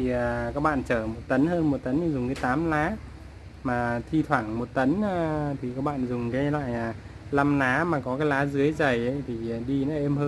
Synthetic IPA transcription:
i˨˩ə˨˩kaː˦k̚ɓa̰ː˧˨nt͡ɕəː˧˩mo˨˩t̚t̪ə˨˦nɦəː˧nmo˨˩t̚t̪ə˨˦nɲɨ˧ŋzʊ˨˩ŋ͡mkaː˨˦jt̪aː˨˦mlaː˨˦ | maː˨˩t̪ʰi˧t̪ʰwaː˧˩ŋmo˨˩t̚t̪ə˨˦nː˧t̪ʰi˨˩kaː˦˥k̚ɓa̰ː˧˨nzʊ˨˩ŋ͡mkaː˨˦jla̰ː˧˨jaː˨˩ | la˧mnaː˨˦maː˨˩kɔ˨˦kaː˨˦jlaː˨˦zɨ˨˦əjzə˨˩jʔə˨˦jt̪ʰi˨˩˨ɗi˧nɔ˨˦ʔe˧mhəː˧

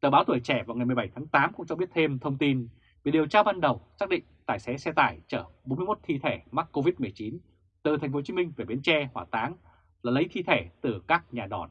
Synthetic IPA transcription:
t̪əː˧˩ɓaː˨˦wt̪ʰu˧˩əjt͡ɕɛ˧˩vaː˨˩wŋa˨˩jmɨ˨˩jɓa˧˩jt̪ʰaː˨˦ŋt̪aː˨˦mkʊ̰˧˥ŋ͡mt͡ɕɔ˧ɓi˦˥ət̚t̪ʰe˧mt̪ʰə˧wŋ͡mt̪i˧n | vi˨˩ɗi˨˩əwt͡ɕaː˧ɓaː˧nɗə˨˩wsaː˦˥k̚ɗḭ̈˧˨ŋ̟t̪aː˧˩jsɛ˨˦sɛ˧t̪a̰ː˧˩jt͡ɕəː˧˩ɓo˨˦nmɨ˧jmo˦˥t̚t̪ʰi˧t̪ʰe˧˩ma˦˥kko˧vi˦˥t̚mɨ˨˩əjt͡ɕi˨˦n | t̪ɨ˨˩t̪ʰŋ̟fo˨˦t͡ɕi˧˦mï˧ŋ̟ve˨˩ɓi˨˦ənt͡ɕɛ˧hwaː˧˩t̪aː˨˦ŋ | laː˨˩lə˨˦jt̪ʰi˧t̪ʰe˧˩t̪ɨ˨˩kaː˦˥k̚ɲaː˨˩ɗɔ˨˧˩n

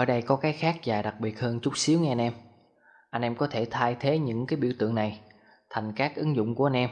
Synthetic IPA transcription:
ʔəː˧˩jɗə˧jkɔ˨˦kaː˨˦jxaː˦˥k̚zaː˨˩ɗa˨˩k̚ɓi˨˩ət̚həː˧nt͡ɕʊ˦˥k͡p̚si˨˦wŋɛ˧a˧nʔɛ˧m | ʔa˧jŋ̟ʔɛ˧mkɔ˨˦t̪ʰe˧˩t̪ʰaː˧jt̪ʰe˨˦ɲɨ̰˧˥ŋkaː˨˦jɓḭ˧˩əwt̪ɨ̰˧˨əŋna˨˩j | t̪ʰa˨˩jŋ̟kaː˦˥k̚ʔɨ˨˦ŋzʊ̰˧˨wŋ͡mku˧˩a˧nʔɛ˧m

